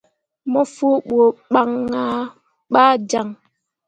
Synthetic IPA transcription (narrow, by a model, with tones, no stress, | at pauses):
mɔ˦fo˦ɓo˨ɓa˦ŋːa˦ | ɓaː˦d͡ʒa˨ŋ